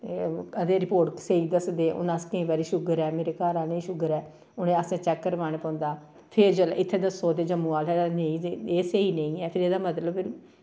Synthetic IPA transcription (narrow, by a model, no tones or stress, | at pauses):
əd̪eːɾɪpoːɾʈseiːd̪əsd̪eːʔʊ̰naskəĩːbaːɾiːʃʊɡəɾɛːmeːɾeːkaːɾaːnĩːʃʊɡəɾɛː | ʊnẽːəsẽːt͡ʃɛːkːəɾʋaːñeːpɔ̃ːnd̪aː | pʰɪɾd͡ʒəlɪt̪ʰːeːd̪əsoːd̪eːd͡ʒəmːũːaːlɛaneĩːeːseːiːnəĩːɛːpʰɪɾeːd̪aːmət̪ləbpʰɪɾ